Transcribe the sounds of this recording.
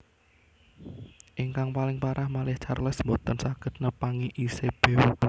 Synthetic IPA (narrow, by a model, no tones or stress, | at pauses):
ʔɪŋkaŋpalɪŋpaɾʔahmalɪht͡ʃarlɛsmbɔt̪ɔnsaɡ̥ə̤t̪̚nəpaŋiʔiseb̥eu